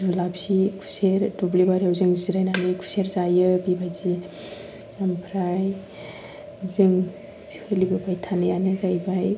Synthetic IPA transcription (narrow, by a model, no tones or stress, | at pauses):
d͡ʒulabsikʰu̥seɾdublibaɾiawzɯŋziɾajnanɯkʰu̥seɾzajɯbibajzi | ampʰɾaj | zɯŋ | hɯlibɯbajtʰanɯjanɯzajbaj